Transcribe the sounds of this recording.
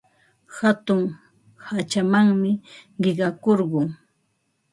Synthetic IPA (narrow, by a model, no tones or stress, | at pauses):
hat̪ʊŋ | hat͡ʃamaŋmɪɢɪɢɑkoɾɢʊŋ